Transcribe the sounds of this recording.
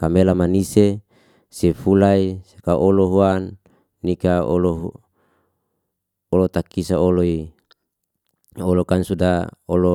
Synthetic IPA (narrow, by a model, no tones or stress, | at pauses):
kamelamanise | sefulaisakaʔoloɦuanː | ikaoloɦ | olot̪akisaoloi | olokansudaolo